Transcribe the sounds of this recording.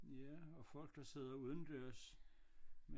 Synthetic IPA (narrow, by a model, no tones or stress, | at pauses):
jæɒ̽fɒ̽l̰ɡ̥̚d̥ɑ̈se̝ð̞̰ˠɐuð̞ˠn̩d̥øɐs | me